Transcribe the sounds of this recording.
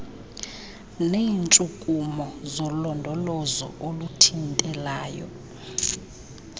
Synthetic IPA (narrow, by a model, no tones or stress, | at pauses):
neːnt͡ʃʼukʼumɔzɔlɔndʱɔlɔzɔ̰ʔolutʰintʼɛlaːjɔ̰